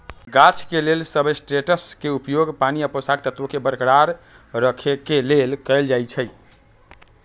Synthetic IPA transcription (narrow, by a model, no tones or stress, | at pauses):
ɡat͡ʃʰkelelsəbəjsʈeʈəskeupjoɡpaniəposaɡ̚t̪ət̪okebəɾkɽaɾ | ɾəkʰekelelkəɪld͡ʒajt͡ʃʰəj